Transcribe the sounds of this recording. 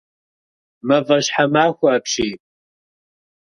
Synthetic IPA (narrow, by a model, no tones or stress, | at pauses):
mɐvɐʃħamaːxʷaːpʂipʼ